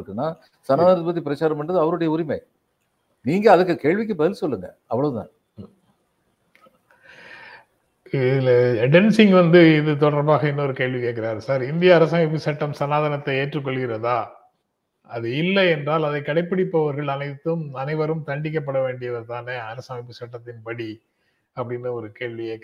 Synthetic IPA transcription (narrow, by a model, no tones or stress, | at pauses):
ɯkːɯnːaː | sɐnaːðɐnɐt̪ːɯpɐt̪ːɾipɪɾɐt͡ʃːaːɾɐmpɐɳɖɐðɯɐʋɐɾɯɽɐjɐʊɾɪmɐɪ | niːŋɡɐɐðɯkːɯkeːɭʋɪk̬ːɯbɐðɪlsɔlːɯŋɡɐ̰ | ɐpːɐɭɐðɯt̪ã̰ː | ɪɖɛnsɪŋɡʋɐnd̪ɯɪðɯt̪ɔɽɐɾbaːɣɐɪnːɐɔɾɯkeːɭʋikeːk̬ːɪɾaːɾɯsaːɾɪnd̪ɪjɐːɾɐsaːmɪp̬ːɯsɐʈːɐmsɐnaːðɐnɐt̪ːɐeːʈrɯk̬ːɔɭɣɪɾɐðaː | ɐðɯɪlːɐɛndraːlɐðɐɪkːɐɽɐɪpːɐɽɪpːɐʋɐɾɣɐɭɐnɐɪt̪ːɯmɐnɐɪʋɐɾɯmt̪ɐɳɖɪk̬ːɐp̬ːɐɽɐʋeːɳɖɪjɐʋɐɾt̪aːneːɐɾɐsaːmɪpːɯsɐʈːɐt̪ːɪnpɐɽi | ɐpːɐɽɪnːɯɔɾɯkeːɭʋɪe